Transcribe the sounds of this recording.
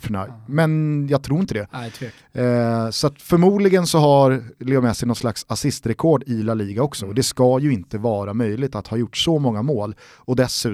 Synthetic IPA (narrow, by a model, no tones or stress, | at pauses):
fɳa̰jmɛnjaɡt̪ʰɾuːɾɪnt̪əd̪ɛ | sɔat̪fœɾmuːd̪lɪɡənsɔɦaɾleːɡmɛsɛjnɔt̪slaksasɪst̪ɾɛkʰɔɖɪlaliːɡaɔksɔd̪ɛskɑjɵɪnt̪əvɑːɾamœjlɪɡ̚t̪at̪hɑːjʊʈːsɔmɔŋːamoːl | ɔd̪ɛsʉ̟ː